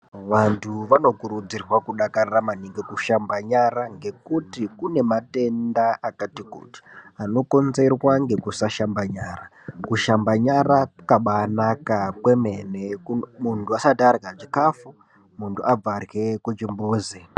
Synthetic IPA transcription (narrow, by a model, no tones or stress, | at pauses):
ʋantʰuʋano̞kuɾud͡zirwakuɗakararamaniŋɡekuʃambaɲaɾaŋɡe̞kutikune̞mate̞ndaakatikṵːti̥ano̞ko̞nze̞rwaŋɡe̞kusaʃambaɲaːra | kuʃambaɲarakaɓaːnakakwe̞me̞nemuntuasadarɣaʐikafu | muntʰuab͡varɣe̞kut͡ʃimbuːzi